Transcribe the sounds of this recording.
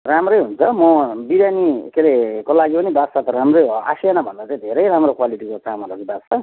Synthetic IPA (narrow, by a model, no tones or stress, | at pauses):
ramrʌjɦunt͡sʰʌmʌbiɾjanikeɾekolaɡipʌnibasat̪ʌɾamroja̰sijenabʱʌnd̪at͡saĩd̪ʱeɾʌjɾamrɾokwaliʈikot̪amalʌɡibasʰa